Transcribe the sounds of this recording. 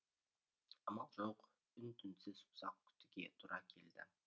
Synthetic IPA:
ɑmɑlˠʒoq | ʏnt̪ʰʏnsɪzʊ̥sɑq̚kʲʰʏ̥t̪ɪɡʲe̞t̪ʰuɾɑkʲʰe̞ld̪ɪ̰

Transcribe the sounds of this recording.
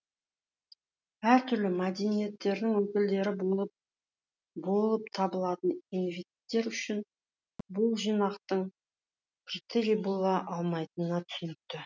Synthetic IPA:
æɾt̪ʰʏɾlɪmad̪e̞nije̞t̪ːe̞ɾd̪ɪŋwɵkʲɪld̪e̞ɾɪ | bo̞lˠəpt̪ʰɑbəlˠɑt̪əninvet̪ːe̞ɾʏʃɪn | bʊlˠʒijnɑqt̪əɴʰ | t̪ɪɾibulˠɑʔɑlˠmɑjt̪ənːɑt̪ʰʏ̥sɪnɪk̚t̪ɪ

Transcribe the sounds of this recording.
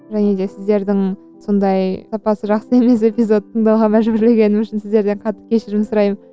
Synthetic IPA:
ʒæne̞d̪e̞sɪzd̪e̞ɾd̪ɪŋ | so̞nd̪ɑjsɑpɑsəʒɑqsəe̞me̞se̞pʲijzo̞t̪ʰəɴd̪ɑwʁɑmæʒbɪɾle̞ɡʲe̞nɪmʏʃɪnsɪzd̪e̞ɾd̪e̞ɴqʰɑt̪ːə̥p̚kʲʰe̞ʃɪɾɪmsʊɾɑjm

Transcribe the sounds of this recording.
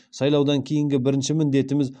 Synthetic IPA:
sɑjlˠɑwd̪ɑŋkʲʰe̞jɪŋɡʲɪbɪɾɪnʃɪmɪnd̪e̞t̪ɪmɪz

